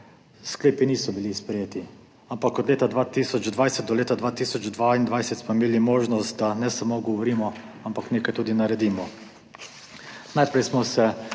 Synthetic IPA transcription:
skleːpiniːsɔbilispɾɛjeːt̪i | ampakɔd̪leːt̪ad̪ʋaːt̪iːsɔt͡ʃd̪ʋajsɛt̪̚d̪ɔleːt̪ad̪ʋaːt̪iːsɔt͡ʃd̪ʋaind̪ʋajsɛt̪smɔɪmeːlimoːʒnɔst̪̚d̪anɛsamoːɡɔʋɔɾiːmɔ | ampakneːkajt̪uːd̪inaɾɛd̪iːmɔ | najpɾɛjsmɔsɛ

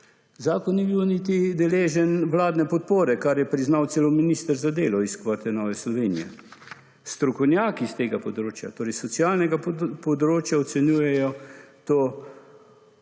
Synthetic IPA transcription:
zaːkɔnːibiwnit̪̬id̪ɛleːʒɛnʋlaːd̪nɛpɔt̪̚poːɾɛkaɾjɛpɾiznawt̪seːlɔminist̪əɾzad̪eːlɔiskʋat̪ʰɛnɔːʋɛslɔʋeːnijɛ̰ | st̪ɾɔkɔwnjaːkist̪eːɡapɔd̪ɾoːt͡ʃja̰t̪oːɾɛjsɔt̪siaːlnɛɡapɔd̪ɾoːt͡ʃjaɔt̪sɛnjuːjɛjɔt̪oː

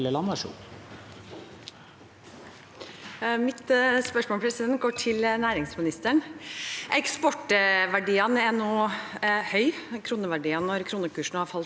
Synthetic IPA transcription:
ləlɑnɑʂṵː | mɪt̪spœʂmoːlpʰɾɛsɪd̪ɛnt̪̚ɡoːʈʰɪlnæːɾɪŋsmɪnɪst̪əɳʔɛkspɔʈʋæɖiːənɛnuːhœʏkʰɾuːnəʋæɖiːɑnɔɾkʰɾuːnəkʉːʂn̩hɑɾfɑlt̪

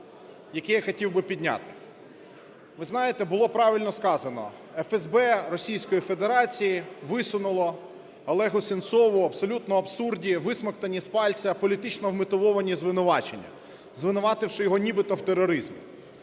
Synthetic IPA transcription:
jɐkɛjaxɐtʲiwbɪpʲidʲnʲa̰t̪ɪ̥ | ʋɪznɑjet̪ɛbʊlˠɔpɾɑʋʲilʲnɔskɑzɐnɔ̰ | ɛfɛzbɛrɔsʲijsʲkɔjife̞d̪eɾɑt͡sʲijiʋɪsʊnʊlˠɔː | lˠɛɦʊsʲent̪sɔʋʊɐbsɔlʲut̪nɔɐpsurdʲiʋɪsmɐkt̪ɐnʲispɑlʲt͡sʲɐpɔlʲit̪ɪt͡ʃnɔwmɪt̪ʊʋɔʋɐnʲizʋɪnʊʋɑt͡ʃenʲːɐ̰ | zʋɪnʊʋɑt̪ɪwʃɪjɔɦɔnʲibɪt̪ɔwt̪erɔɾɪzmʲi

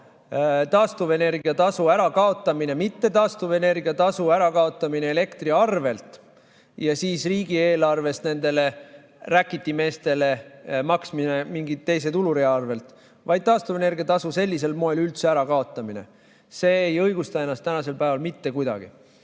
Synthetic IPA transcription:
t̪ɑːst̪uve̞ne̞rɡiɑt̪ɑsuæɾɑkɑo̞t̪ˑːɑmine̞mit̪ːe̞t̪ɑːst̪uve̞ne̞rɡ̥iɑt̪ɑsuæɾɑkɑo̞t̪ːˑɑmine̞ele̞kt̪riɑrve̞lt̪ | jɑsiːsriːɡieːlɑrve̞st̪ne̞nd̪e̞le̞ | rækːˑit̪ːime̞ːst̪e̞le̞mɑksmine̞miŋɡit̪ːe̞js̬e̞t̪uluɾiɑrve̞lt̪ | vɑjd̪̥̚t̪ɑːst̪uvene̞rɡ̥iɑt̪ɑsuse̞lʲːise̞lmo̞e̞lylt̪seæɾɑkɑo̞t̪ːˑɑmine̞̰ | se̞ːjɤjɡ̥ust̪ɑe̞nːˑɑst̪ːænɑse̞lpæevɑlmit̪ːe̞kujd̪ɑ̰ɡ̥ḭ

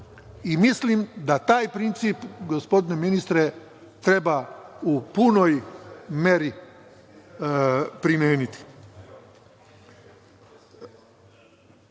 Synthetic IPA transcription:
imislimd̪at̪aːjpɾint̪sipɡospo̞d̪ineminist̪ɾe̞ | t̪ɾe̞baupuno̞jmjeɾi | pɾimjeːnit̪i̥

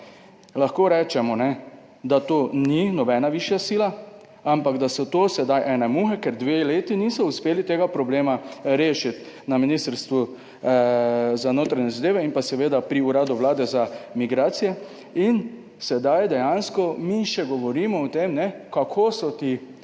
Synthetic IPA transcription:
laxkoːɾɛːt͡ʃɛmɔnɛ | d̪at̪oːninɔbɛːnaʋiʃjasila | ampaɡd̪asɔt̪oːsɛd̪ajʔɛːnɛmuxɛkɛɾd̪ʋeleːt̪inisɔuspeːlit̪eːɡapɾɔbleːmaɾeːʃit̪ | naminiːst̪əɾst̪ʋu | zanoːt̪ɾaɲɛzad̪eːʋɛinpasɛʋeːd̪apɾiuɾaːd̪uʋlaːd̪ɛzamiɡɾaːt̪sijɛ | in | sɛd̪ajd̪ɛjanskɔmiʃɛɡɔʋɔɾiːmɔɔt̪emnɛkakʰoːsɔt̪i

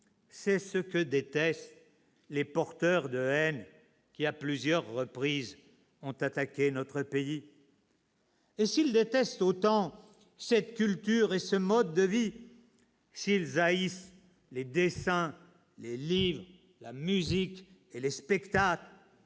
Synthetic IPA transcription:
sɛsəkəd̪et̪ɛst̪ | lepɔʁt̪œʁd̪əɛn | kʲiaplyzjœʁːəpχiz | ɔ̃t̪at̪akʲenɔt̪χəpei | esild̪et̪ɛst̪ot̪ɑ̃ | sɛt̪kʲylt̪yʁesəmɔd̪ːəvi | silzais | led̪esɛ̃ | lelivʁ | lamyzik | elespɛkt̪akl

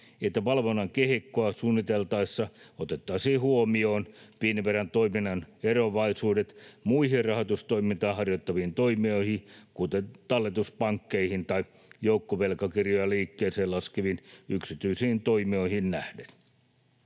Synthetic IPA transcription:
et̪ːæʋɑlʋonːɑŋkehikːoɑsuːnːit̪elt̪ɑisːɑot̪et̪ːɑisiːhuomio̞ːnpiːniʋerænt̪oiminːɑneroʋɑisuːdet̪muihirɑhot̪ust̪oimint̪ɑːɦɑrjot̪ːɑʋiːnt̪oimioihikut̪et̪ɑlːet̪uspɑŋkːeihint̪ɑi | joukːoʋelkɑkirjojɑliːkːeːseːlɑskeʋinyksit̪yisiːnt̪oimioihinnæhden

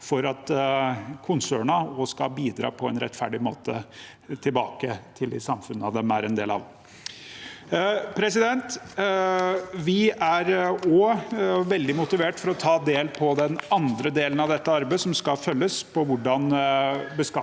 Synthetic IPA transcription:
fɔɾɑt̪ | kʰʊnsøːɳɑɔskɑ̰biːd̪ɾɑ̰ːpʰɔɛnɾɛ̰t̪ːfæɖɪmoːt̪ə̰ | t̪ʰɪlbɑːkət̪ʰɪld̪ɪ̰sɑmfʉnːəɑʋd̪ɛmæɾɛnd̪ḛːlɑ̰ʋ | pʰɾɛsɪd̪ɛnt̪ | ʋɪæɾɔʋɛld̪ɪmʊt̪ɪʋeːʈfɔɾɔt̪ʰɑːd̪eːlpʰɔd̪ɛnɑnd̪ɾəd̪eːlənɑʋd̪ɛt̪ːəɑɾbeɪsɔmskɑfœlːəspʰɔʋʊɖɑnbəskɑ

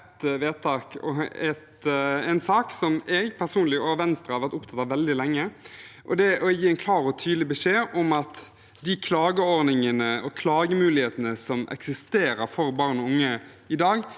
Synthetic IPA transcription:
t̪ʋeːt̪ʰɑːkɔ̰ɛt̪ɛnsɑːksɔmɛɡpʰæʁsuːnlɪɔːʋɛnst̪ɾəhɑɾʋæʁt̪ʊpt̪ʰɑt̪ːɑʋɛld̪ɪlɛŋːəʔɔ̰d̪ɛʔɔjiːɛnkʰlɑːɾɔt̪ʰyːd̪lɪbəʂeːʔɔmɑt̪ | d̪ɪkʰlɑːɡəɔɾdnɪŋənəɔkʰlɑːɡəmʉːlɪheːt̪ənəsɔmʔɛ̰ksɪst̪eːɾəɾfɔɾbɑːʁnɔʊŋːə | ɪd̪ɑːɡ

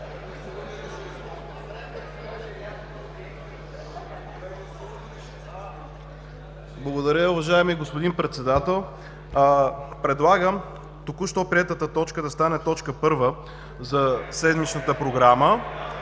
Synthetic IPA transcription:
blˠɐɡod̪ɐɾʲəʊvɐʒaɛmiɡospod̪inpɾɛt̪sɛd̪at̪ɛlˠ | pɾɛd̪lˠaɡəm | t̪okuʃt̪ɔpɾiɛt̪ət̪ət̪ɔt͡ʃkəd̪ɐst̪anɛt̪ɔt͡ʃkəpɤɾvə | zɐsɛd̪mit͡ʃnət̪əpɾoɡɾamə

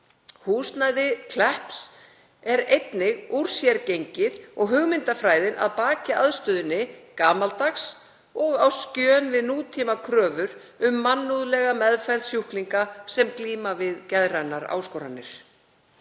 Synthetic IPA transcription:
huːst̪najðɪkʰlɛhps | ɛɾejt̪nɪɣuɾ̥sjɛɾcejɲcɪðɔɣɦʏɣmɪnt̪afɾaːjðɪnʔa̰ðpaːcaʔaðst̪œðʏnːɪkaːmalt̪axs | ɔɣawscœːnvɪðnuːt̪ʰimakʰɾœːvʏɾ | ʏmːanːuðlɛɣamɛðfajɾðsjuhkliŋkasɛmkliːmavɪðcɛðɾanaɾa̰ːwskowɾa̰nːɪ̰ɾ̥

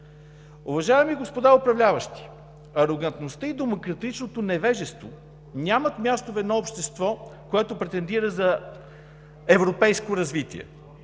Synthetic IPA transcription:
ʊvɐʒaɛmiɡospod̪aopɾɐvlʲavəʃt̪i̥ | ɐɾoɡɐnt̪nost̪əid̪omokɾɐt̪it͡ʃnot̪onɛvɛʒɛst̪vo̰ | nʲamɐt̪mʲjast̪ovɛd̪nɔopʃt̪ɛst̪vɔkoɛt̪opɾɛt̪ɛnd̪iɾəzɐ | ɛvɾopɛjskoɾɐzvit̪ḭɛ̰

